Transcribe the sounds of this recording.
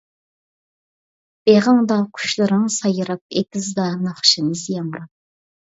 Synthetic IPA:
b̥eʁəŋd̪ɑkʰy̥ʃlˠɨɾɨŋsɑjɨɾɑp̚ekʲizd̪ɑnɑχʃɨnɨzjɑmɾɑ

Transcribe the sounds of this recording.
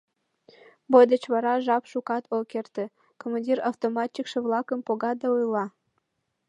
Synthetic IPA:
bojd̪ə̆t͡ɕβɑɾɑʒɑpʃukɑt̪ʰokert̪ĕ | komandʲirɑwt̪omɑt̪ʲːikʃĕβlˠɑkə̆mpoɣɑd̪ɑujlɑ

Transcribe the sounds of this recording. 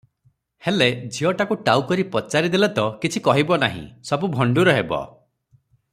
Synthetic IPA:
heled͡ʒʱiɔʈakuʈawkɔɾipɔt͡ʃaɾid̪elɔt̪ɔkit͡ʃʰikɔɦibɔnaɦḭ̃sɔbubʱɔɳɖuɾɔɦebɔ̰

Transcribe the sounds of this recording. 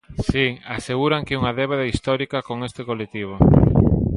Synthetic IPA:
siaseɣuɾaŋkeuŋaðɛβ̞aðaist̪ɔɾikɐkoŋest̪ɪkolek̚t̪iβ̞o

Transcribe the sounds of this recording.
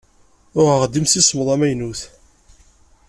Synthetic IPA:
ʊʁəʁd̪imsisˤməðˤæmæjnuθ

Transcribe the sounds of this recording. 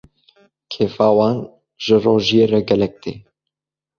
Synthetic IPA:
kʰeːfaːwɑːn | ʒəroːʒijeːrɛɡɛlɛk̚t̪ḛː

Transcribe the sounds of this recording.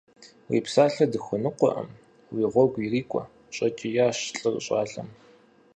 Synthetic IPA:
wḭːpsaːɬɐdɨxʷʊnɨqʷɔ̰ʔɐ̰m | wiːʁʷɔɡʷiriːkʷʼɔ̰ | ɕʼɐt͡ʃʼijaːɕɬʼɨrɕʼɑːɮɐm

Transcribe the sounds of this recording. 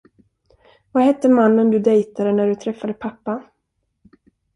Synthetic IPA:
vahɛt̪ːəmanːənd̪ɵd̪ɛjt̪ad̪ənæɖɵt̪ʰɾɛfːad̪əpʰapːa

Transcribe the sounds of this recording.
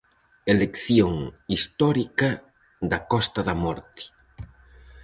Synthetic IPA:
elekθjoŋist̪ɔɾikɐ | d̪ɐkɔst̪ɐðɐmɔɾt̪i̥

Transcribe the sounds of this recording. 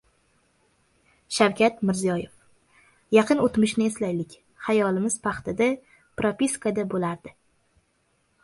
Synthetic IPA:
ʃawkʲʰat̪mɪɾzijɒjef | jɑqʰɨnot̪mɪʃnɪe̞slajlɪkʲ | hajɒlɪmɪz̥pʰɑχt̪ad̪a | pɾopʲiskad̪abolaɾd̪ɪ

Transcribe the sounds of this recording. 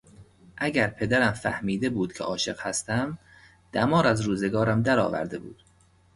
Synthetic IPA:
ʔæɟæɾpʰe̞d̪æɾæmfæ̰hmiːd̪e̞buːd̪̥̚cʰḛʔɒːʃe̞ɢhæst̪æm | d̪̥æmɒːɾæzɾuːzeɡɒːɾæmd̪æɾɒ̰ːvæ̰ɾd̪e̞bṵːd̪̥

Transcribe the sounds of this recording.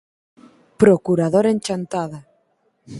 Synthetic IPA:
pɾokuɾaðoɾenʲt͡ʃant̪aða

